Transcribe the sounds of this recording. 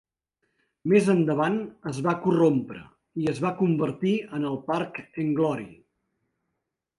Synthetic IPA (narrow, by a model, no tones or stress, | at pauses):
mezənd̪əβ̞anəzβakurompɾə̰ | iəzβakumbəɾt̪iənəlˠparkəŋɡlɔɾḭ